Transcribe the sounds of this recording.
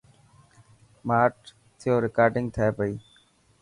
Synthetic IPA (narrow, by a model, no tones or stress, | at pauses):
maːʈ | t̪ʰɪjoːɾɪkaːɾɖɪ̃ŋɡ̚t̪ʰəeːpəiː